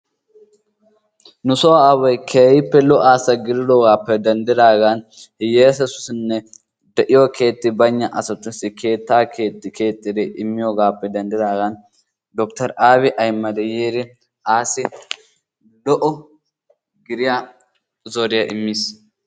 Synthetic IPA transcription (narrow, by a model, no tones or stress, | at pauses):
nʊsɔwaːwɐjkʰeːjɪpːɛlɔʔaːsɐɡɪɾɪd̪ɔɡaːpːɛd̪ɐnd̪ɪd̪aːɡanhɪjeːsɛsʊ̥snːɛ | d̪ɛʔɪjɔkʰe̞ːt̪ːɪbɐɲːɐʔɐsɔt̪ːʊsɪkʰe̞ːt̪ːaːkʰe̞ːt̪ːɪkʰe̞ːt̪ʼːɪd̪ɛʔɪmːɪjoɡaːpːɛd̪ɐnd̪ɪd̪aːɡɐn | d̪ɔkt̪ɐɾaːβɪʔɐjmːɐd̪ɛjeːɾɪ | aːsɪ | lɔʔɔ | ɡɪɾɪja | zɔɾɪjɐʔɪmːis